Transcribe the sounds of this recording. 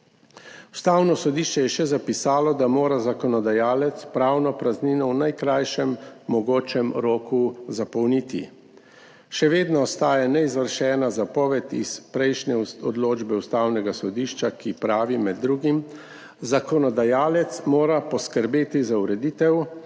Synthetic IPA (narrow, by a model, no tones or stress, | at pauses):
u̥st̪awnɔsɔd̪iːʃt͡ʃɛjɛʃɛzapisaːlɔd̪amoːɾazakɔnɔd̪ajaːlɛt̪spɾaːwnɔpɾazniːnɔwnajkɾajʃɛmːɔɡoːt͡ʃɛmɾoːkuzapɔwniːt̪ḭ | ʃɛʋeːd̪nɔːst̪aːjanɛizʋəɾʃɛːnazapɔʋɛt̪ḭspɾɛjʃnɛɔd̪loːd͡ʒbɛust̪aːwnɛɡasɔd̪iːʃt͡ʃakipɾaːʋimɛd̪ːɾuːɡim | zakɔnɔd̪ajaːlɛt̪smoːɾapɔskəɾbeːt̪izauɾɛd̪iːt̪ɛw